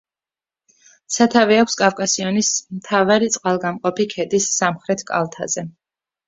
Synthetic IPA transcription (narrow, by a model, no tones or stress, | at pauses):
sat̪ʰaviakʰʷskʼafkʼasiɔnismt̪ʰavaɾit̪sʼqʼalˠɡamqʼɔpikʰɛd̪isːamχɾɛt̪ʰkʼa̰lˠt̪ʰa̰zɛ